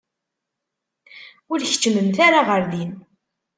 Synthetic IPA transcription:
ʊɾç̥t͡ʃːməmθaɾaʁəɾðin

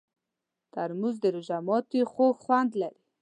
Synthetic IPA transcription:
t̪aɾmuzd̪əɾʊʒamɔt̪ixoɡxwand̪laɾi

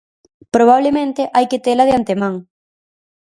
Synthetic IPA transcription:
pɾoβ̞aβlemẽnt̪eʔajket̪elaðeant̪emãŋ

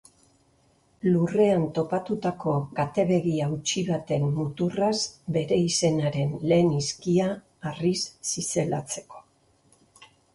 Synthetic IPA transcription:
lure̞ant̪o̞pat̪ut̪ako̞ɣat̪e̞βe̞ɣiawt͡ʃiβat̪e̞mːut̪urazbe̞ɾe̞ise̞naɾe̞nle̞ːniskiaː | risːise̞lat͡se̞̥ko̞̥

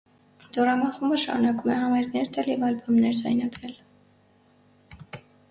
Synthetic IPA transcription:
d̪ɔɾɑmɑχumbəʃɑ̰ɾunɑkumɛhɑmɑjɾknɛɾt̪ʰɛljɛvɑlbɑmnɛɾd͡zɑ̰jnɑɡɾɛl

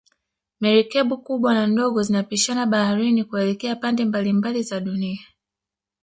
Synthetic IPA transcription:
mɛɾikɛɓukuɓwanandɔɡɔzinapiʃanaɓahaɾinikuɛlɛkɛapandɛmbalimbalizaɗunia

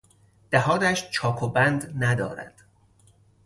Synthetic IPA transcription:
d̪̥æhɒːt̪æʃt͡ʃʰɒːkʰobænd̪næd̪ɒ̰ːɾæ̰d̪̥

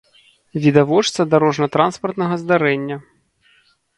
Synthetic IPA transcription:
vʲid̪avɔt͡ʂt̪sɐd̪aɾɔʐnɐt̪ɾanspɐrt̪nɐɣɐzd̪aɾɛnʲːɐ

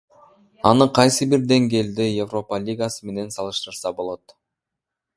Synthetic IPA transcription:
ɑ̰nɯqʰɑjsɯbiɾd̪e̞ŋɡe̞ːld̪ejevro̞palʲiɡasɯme̞ne̞nsɑlˠɯʃt̪ɯɾsɑbo̞lˠo̞t̪

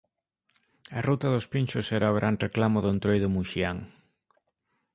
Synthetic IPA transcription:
ɐrut̪aðʊspinʲt͡ʃʊsɛɾaoɣɾʔanreklamʊðʊnt̪ɾojðʊmuʃiaŋ

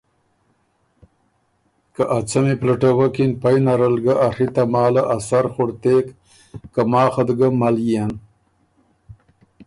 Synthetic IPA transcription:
kaʔat͡sameplaʈawakinpajnaɾalɡaʔaɾit̪amɑːlaʔasaɾxoɽt̪ekː | amɑːxad̪ɡamalian

